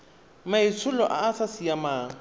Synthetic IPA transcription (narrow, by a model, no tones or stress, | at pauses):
mait͡sʰʊlɔʔa̰ːsasijamaːŋ̩